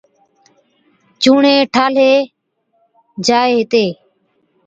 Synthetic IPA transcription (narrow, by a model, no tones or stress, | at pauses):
t͡ʃuːɳeːʈʰaːleː | d͡ʒaːeːɦɪt̪eː